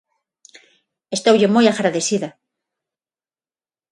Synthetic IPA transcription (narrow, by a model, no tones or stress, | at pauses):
est̪awʝemojaɣɾaðesiða